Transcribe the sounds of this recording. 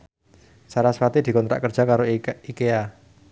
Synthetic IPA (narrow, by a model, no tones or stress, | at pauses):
saɾasfat̪id̪̥i̤kɔnt̪ɾa̰ʔkərd̥d͡ʒʒ̥a̤kaɾoikea